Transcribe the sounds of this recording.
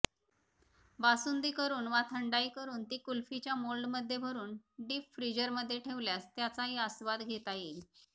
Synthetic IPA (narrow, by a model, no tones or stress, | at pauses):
basund̪iːkəɾuːnʋat̪ʰəɳɖaiːkəɾuːnt̪iːkulfit͡ɕjamolɖməd̪ʱːjebʱəɾuːnɖiːpfɾid͡ʑəɾməd̪ʱːjeʈʰeʋljast̪jat͡saɦiəsʋad̪ɡʱet̪aji